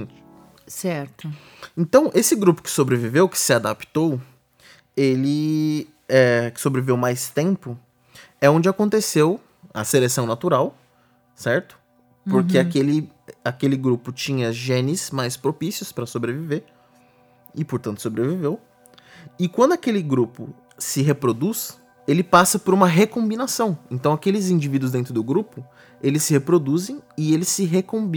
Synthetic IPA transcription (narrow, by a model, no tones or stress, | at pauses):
sɛɾt̪ʊ | ẽnt̪ɐ̃w̃ʔesɪɡɾupʊ̥kɪ̥sobɾevivewkɪ̥sɪad̪apt̪ow | elɪ | ɛkɪ̥sobɾevivewmajst̪ẽmpʊ | ɛõd͡ʒɪakõnt̪esew | ɐ̰selesɐ̃w̃nat̪uɾaw | sɛɾt̪ʊ̥ | ppoɾkeakelɪ | akelɪɡɾupʊt͡ʃĩɲɐʒẽnɪsmajspɾopisjʊspɾɐsobɾeviveɾ | ɪpoɾt̪ɐ̃nt̪ʊ̥sobɾevivew | ɪkwɐ̃nd̪ʊakelɪɡɾupʊ | sɪɦepɾod̪us | elɪpasɐpoɾũmɐɦekõbinasɐ̃w̃ẽnt̪ɐ̃w̃akelɪzĩd͡ʒivid̪uʊzd̪ẽnt̪ɾʊd̪ʊɡɾupʊ | elɪsːɪhepɾod̪uzẽj̃ɪelɪsːɪɦekõb